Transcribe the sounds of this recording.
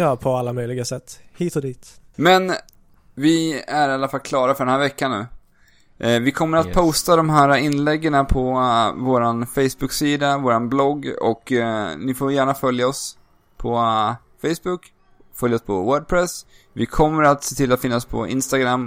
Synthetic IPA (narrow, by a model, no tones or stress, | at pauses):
jɑːpʰɔalːamœjlɪɡasɛt̪ːhiːt̪ɔd̪iːt̪mɛn | vɪæɾalːafalkʰlɑːɾafœɖɛnæːɾvɛkːanːʉ̟ː | vɪkʰɔmːəɾat̪̚pʰɔst̪ad̪ɔmɦæːɾaɪnlɛɡːəɳapʰɔvoːɾanfɛjsbɵksiːd̪avoːɾanblɔɡːɔ̰knɪfoːjæːɳafœljaɔs | pʰɔ | fɛjsbʊk | fœljaɔspʰɔ̰wœːɖ̚pʰɾɛs | vɪkʰɔmːəɾat̪seːt̪ʰɪlːat̪fɪnːaspʰɔ̰ɪ̰nst̪aɡɾamː